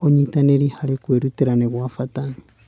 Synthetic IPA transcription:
oɲitaneɾihaɾekweɾuteɾaneɣwafatani

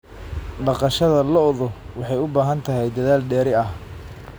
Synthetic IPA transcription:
ɖɑqɑʃɐðɐlɔðɔwɑħɑjʊbaːɦɐnt̪ʰɐɦɛjd̪ɐðaːlɖɛːɾɪɐh

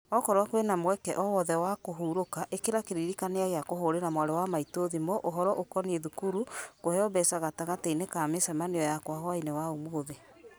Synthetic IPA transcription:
ɔkɔɾwakoenamwɛkɛʔɔwɔðɛwakoɦuːɾokaʔekeɾakeɾiɾikaneaɣeakoɦoɾeɾamwaɾewamaitoðimɔʔoɦɔɾɔʔokɔnieðukuɾukohɛɔbɛsaɣataɣateinekamesɛmaneɔjakwaɦwainewaumooðe

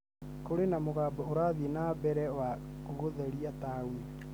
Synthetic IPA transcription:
koɾenamoɣaːbɔoɾaðienabɛɾɛwakuɣoðɛɾiatawe

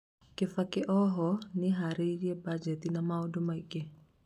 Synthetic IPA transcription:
kɪfakɪʔɔɦɔnɪɦaɾiɾiɛbad͡ʒɛtinamaodomaike

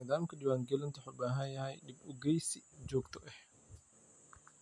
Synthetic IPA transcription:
ɐːðaːmkʰɐdɪwaːŋɡɛlɪnt̪ʰʊħɔbaːɦɐjɐhɛjɗɪbɔɡɛjsɪd͡ʒɔːɡt̪ʰɔʔɛh

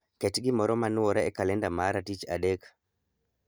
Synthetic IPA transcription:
kɛtɡɪmɔɾɔmanwɔɾaɛkalɛndamaɾatit͡ʃa̰dɛk

